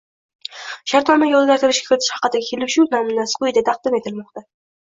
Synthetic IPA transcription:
ʃaɾt̪nɒmaɡʲaolzˠɡʲaɾt̪ɪɾɪʃkʲḁkʲʰɪɾɪt̪ʰɪ̥ʃhɑ̥qɨd̪aɡʲkʲʰelɪpʃuwnɒmɪnasɨ̥qʊjd̪at̪ʰɑqd̪ɪme̞t̪ʰɪlmɒqt̪a

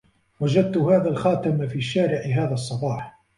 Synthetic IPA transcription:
wad͡ʒad̪̚t̪ʊhaːðaːlxɑːt̪amfiːʃːaːɾɪʕɪɦaːðaːsˤːɑbɑːħ

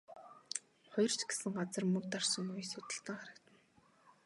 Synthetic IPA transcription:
χɔjɞ̆r̥t͡ɕɡe̥sɘ̆ŋɢat͡sə̆rmɵ̆k̚t̪arsə̆ŋujsʊt̪ə̆ɬt̪ə̆ŋχaɾə̆kt̪ə̆n

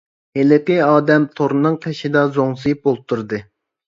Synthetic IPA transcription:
helɪqiɑːd̪ɛmt̪ʰoɾnɨŋq̪ʰɛʃid̪ɑzoŋsɨjip̚bolˠp̚t̪ʰːuɾd̪ɨ

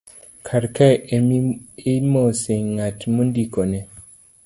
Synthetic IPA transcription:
kʰaɾkaememoseŋŋatmundikonɛ

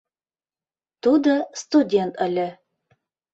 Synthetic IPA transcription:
t̪ud̪ɤst̪udʲent̪ɘ̆lʲɘ

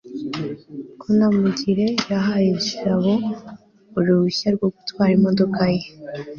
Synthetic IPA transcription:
kʰunamuɟiɾe̞jaɦajeuʃiɾaβo | uɾuβuçaɾɡwoɡutwaːɾimo̞do̞kaje

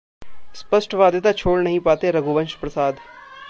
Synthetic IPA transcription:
spəsʈʋaːd̪et̪at͡ʃʰoːɽnɐɦĩːpaːt̪eɾɐɡuʋə̃nʃpɾəsaːd̪

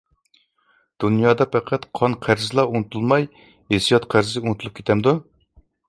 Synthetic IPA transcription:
d̪̥unjɑːd̪ɑpʰɛqʰæt̪qʰɑnqʰæɾzɨlˠɑunɨt̪ʰulˠmɑj | hesijɑt̪qʰæɾzɪunut̪ʰulˠup̚kʲʰe̥t̪ʰɛmd̪u

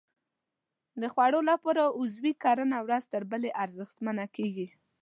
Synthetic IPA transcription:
d̪əxwaɽolapɑɾaʊzwikɑɾənawɾazt̪əɾbəleʔaɾzəxt̪manakeɡi

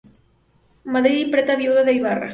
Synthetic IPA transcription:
maðɾiðipɾet̪aβjuðaðejβarɐ̰

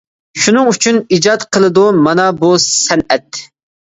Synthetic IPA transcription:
ʃunɨŋyt͡ʃʰynid͡ʒɑt̪qʰəlˠɨd̪umɑnɑbusɛnɛt̪

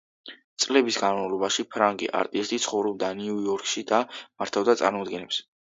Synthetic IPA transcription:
t̪sʼlɛbisɡanmavlˠɔbaʃipʰɾaŋɡḭʔa̰ɾt̪ʼist̪ʰit̪sʰχɔvɾɔb̚d̪aniuɔɾkʰʼʃid̪amaɾt̪ʰavd̪at̪sʼa̰ɾmɔd̪ɡɛnɛps

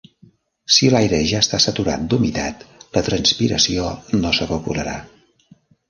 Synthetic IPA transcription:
silajɾeʒaəst̪asət̪uɾa̰t̪̚d̪umit̪at̪lət̪ɾənspiɾə̰sionosəβəkuɾəɾa

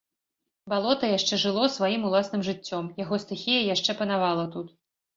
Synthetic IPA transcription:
balˠɔt̪ɐjaʂt͡ʂɛʐɨlˠɔsvajimulˠasnɨmʐɨt͡sʲːɔmjaɣɔst̪ɨxʲijɐjaʂt͡ʂɛpɐnavalˠɐt̪ut̪

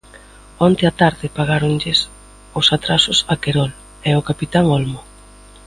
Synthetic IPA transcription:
ɔnt̪ɪat̪aɾðɪpaɣaɾoŋʎɪs | ʊsat̪ɾasʊsakeɾɔl | ɛʊkapit̪aŋolmo

